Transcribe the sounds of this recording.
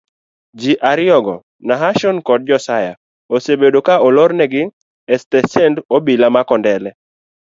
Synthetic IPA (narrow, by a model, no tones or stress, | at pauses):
d͡ʒiʔaɾɪɔɡɔ | naɦaʃɔnkɔd̚d͡ʒɔsaja̰ | osebedokaɔlɔɾnɛɡɪ | ɛstɛsɛndobilamakɔndɛlɛ